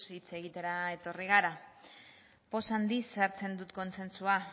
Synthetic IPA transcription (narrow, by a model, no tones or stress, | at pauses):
sit͡se̞ɣ̞it̪e̞ɾae̞t̪o̞riɣ̞aɾa | po̞sand̪isaɾt͡se̞nd̪ut̪ko̞nse̞nsua